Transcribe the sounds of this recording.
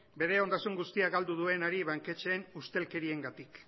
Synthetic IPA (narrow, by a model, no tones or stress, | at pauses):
be̞ɾe̞o̞nd̪asuŋɡust̪iaɣald̪uð̞ue̞naɾiβaŋke̞t͡ʃe̞ːnust̪e̞lke̞ɾie̞ŋɡat̪ik